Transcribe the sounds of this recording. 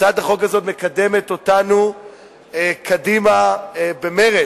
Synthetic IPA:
adhaχo̞ɡhazo̞tme̞kade̞met̪o̞tanu | ekʰadimabe̞meʁe

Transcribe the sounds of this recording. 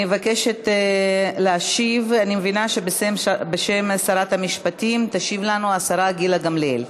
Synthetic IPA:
mevake̞ʃet̪eleaʃivanimevinaʃebesembeʃemasaɾat̪hamiʃpatimt̪aʃivlanuasaɾaɡilaɡamleḛl

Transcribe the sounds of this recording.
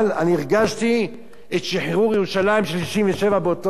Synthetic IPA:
laniːʁɡaʃt̪i | etʃiħʁuʁjeʁuʃalaimʃliʃiɱveʃe̞vabeot̪o

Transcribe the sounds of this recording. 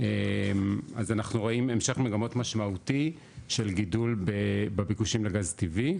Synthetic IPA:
ema̰zanaχnuʁo̞ime̞mʃe̞χmeɡamo̞tmaʃmauti | ʃe̞lɡidulbebebikuʃimleɡaztivi

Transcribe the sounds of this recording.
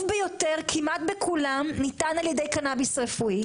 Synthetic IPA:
fbejo̞t̪eʁkʰimat̪bekʰulamnit̪analjed̪e̞jkanabisʁefui

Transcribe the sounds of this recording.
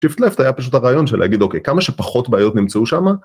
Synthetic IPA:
ʃiftleftajapaʃutaʁaːjo̞nʃelʔeaɡido̞kejkamaʃe̞paχo̞tbaajo̞tnimt͡seuʃama

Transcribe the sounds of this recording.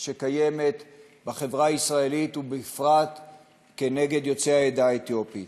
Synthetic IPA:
ʃekaje̞me̞t̪ | baχevʁaːisʁae̞lit̪ubeifʁat̪ | ke̞ne̞ɡe̞d̪jo̞t͡sehaed̪aet̪jopi

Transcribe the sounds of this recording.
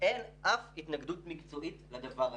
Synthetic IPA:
ʔenʔafhit̪naɡd̪ut̪mikt͡so̞ʔitled̪avaʁ

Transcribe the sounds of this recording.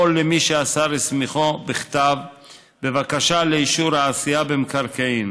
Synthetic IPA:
olemiʃeasaʁesmiχo̞biχt̪av | be̞vakaʃaleiʃuɾhaːsijabemkaʁkaim

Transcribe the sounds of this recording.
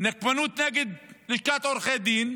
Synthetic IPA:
nakmanuːt̪naːɡɪd̪̚lɪʃkaːt̪oɾxeːd̪iːn

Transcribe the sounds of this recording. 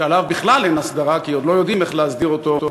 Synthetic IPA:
alavbiχlalenasd̪aʁakiod̪lo̞jo̞d̪imeχleazd̪iʁot̪o̞o

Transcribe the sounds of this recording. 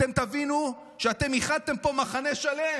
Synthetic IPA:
emt̪avinu | ʃeat̪e̞miχad̪̚t̪e̞mpo̞maχaneʃale

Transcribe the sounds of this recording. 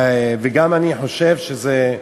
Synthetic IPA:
veɡamaniħoʃevʃeze

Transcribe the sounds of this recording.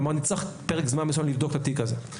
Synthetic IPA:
maʁnit͡saχpeʁekzmanmesanlivd̪okt̪at̪ikaze

